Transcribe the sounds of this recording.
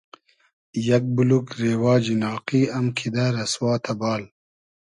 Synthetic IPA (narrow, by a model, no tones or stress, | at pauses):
jɐk̚bulukɾeːwɑːd͡ʒinɑːqiːɐmkʰid̪aɾɐswɑːt̪ʰɐbɑːl